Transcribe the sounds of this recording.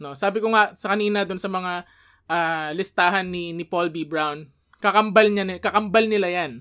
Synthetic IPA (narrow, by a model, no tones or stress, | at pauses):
no̞saːbɪkoŋasɐkɐniːnɐd̪ʊnsɐmɐŋa | ʔaːlɪst̪aːɦɐnːɪnɪpolbibɹawn | kɐkɐmbɐlɲankɐkɐmbɐlnɪlajan